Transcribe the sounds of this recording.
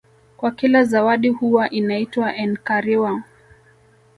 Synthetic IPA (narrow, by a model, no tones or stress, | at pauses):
kwakilazawaɗihuwaʔinaitwaʔɛnkaɾiwa